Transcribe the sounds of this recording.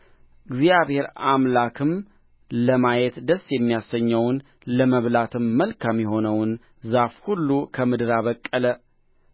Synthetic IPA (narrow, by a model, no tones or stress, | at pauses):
ɡzijaβhe̞ɾamlakʰɨm | ləmajɛt̪d̪əsjɛmːijasəɲːəwn | ləməβlat̪ʰɨmːəlkamjɛɦo̞nəwn | zafhulːukʰəmɨd̪ɨɾaβəkʼːələ